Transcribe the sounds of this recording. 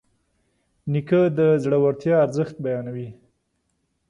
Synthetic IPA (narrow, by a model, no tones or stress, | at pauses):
nikəd̪əzɽawaɾt̪jɑaɾzəxt̪̚bajɑnawi